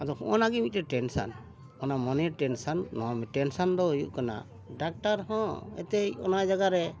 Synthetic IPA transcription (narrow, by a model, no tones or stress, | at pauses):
ad̪ɔkɔʔɔnaɡɛmit̪̚ɾɛʈɛnsa̰n | ɔnamɔnɛʈɛnsanːɔamɛʈɛnsand̪ɔjuʔkana̰ | ɖak̚ʈaɾɦɔ̃ɛ̰t̪ɛjɔ̰najd͡ʒaɡaɾɛ